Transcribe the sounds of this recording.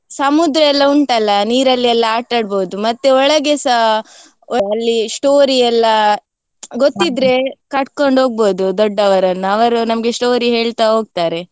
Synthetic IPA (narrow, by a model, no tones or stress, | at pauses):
sɐmud̪ɾɐɛlːɐuɳʈɐlːɐniːɾɐlːiɛlːɐaːʈːɐɽboːd̪umɐt̪ːeɔɭɐɡesɐ | ɔɐlːisʈoːɾiɛlːɐ | ɡot̪ːid̪ɾe̞kɐʈko̞ɳɖɦo̞ːɡ̚boːd̪ud̪ɔɖːɐʋɐɾɐnːuɐʋɐɾunɐmɡe̞sʈo̞ːɾiɦe̞ːɭt̪aɦoːɡ̚t̪aːɾe̞